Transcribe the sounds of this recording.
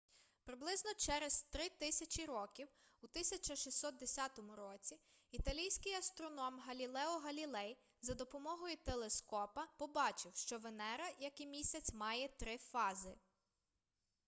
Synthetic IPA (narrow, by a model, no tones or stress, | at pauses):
pɾɪblˠɪznɔt͡ʃɛɾezt̪ɾɪt̪ɪsʲɐt͡ʃʲiɾɔkʲiwut̪ɪsʲɐt͡ʃɐʃisʲɔt̪̚d̪esʲɑt̪ɔmʊɾɔt͡sʲi | it̪ɐlʲijsʲkɪjɐst̪ɾɔnɔmɦɐlʲilˠɛɔɦɐlʲilˠɛj | zɐd̪ɔpɔmɔɦɔjʊt̪elˠeskɔpɐpɔbɑt͡ʃɪwʃt͡ʃɔʋenɛɾɐjɐkimʲisʲɐt͡sʲmɑjɛt̪ɾɪfɑzɪ